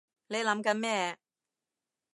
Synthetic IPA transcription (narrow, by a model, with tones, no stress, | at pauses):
ne˨˧jlɐ˨˥mkɐ˨˧˥nmɛː˥